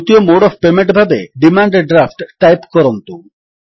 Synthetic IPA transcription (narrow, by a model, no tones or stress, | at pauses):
t̪iomoɖɔbpemeɳʈbʱabeɖimaɳɖɖɾafʈʈːajpkɔɾont̪u